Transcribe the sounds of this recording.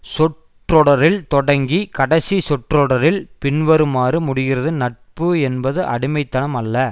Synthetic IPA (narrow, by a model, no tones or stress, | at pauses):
sɔʈ | rɔɽɐɾɪlt̪ɔɽɐŋɡikɐɽɐsisɔʈrɔɽɐɾɪlpɪɳʋɐɾɯmaːrɯmʊɽɪɣɪrɐðɯnɐʈ̚pɯɛnbɐðɯʔɐ̰ɽɪmɐɪt̪ːɐnɐmɐlːɐ